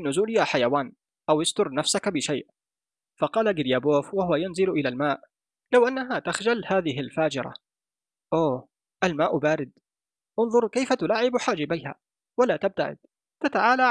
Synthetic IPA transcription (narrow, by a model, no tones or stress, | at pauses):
nːʊzuːljaːħajawaːn | ʔawɪst̪ʊɾnafsakbɪʃajʔ | fɑqɑːlaɡɪljaboːfwahʊwajanzɪlʔɪlalmaːʔ | lawʔanːaɦat̪axʒalhaːðɪɦɪlfaːd͡ʒɪɾˤɑ̰ | ʔoː | ʔalmaːʔbaːɾɪd̪ | ʔʊnðˤʊɾˤkajfat̪ʊlaːʕɪbħaːd͡ʒɪbajha̰ | walaːt̪ab̚t̪a̰ʕɪ̰d̪̥̚ | t̪at̪aʕaːla